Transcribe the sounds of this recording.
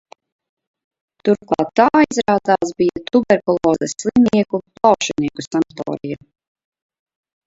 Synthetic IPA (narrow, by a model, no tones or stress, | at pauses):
t̪uɾklˠɑ̰ːt̪ːaːizɾaːd̪zaːsbijat̪ubɛɾkɔlˠɔːzɛslˠiniɛkuplˠɑwʃɛniɛkusamt̪ɔ̰ːɾija